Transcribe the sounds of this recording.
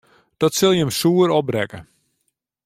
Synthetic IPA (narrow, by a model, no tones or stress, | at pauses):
d̥ɔtsɪlˠjəəmsuːəɾɔb̚rɛkə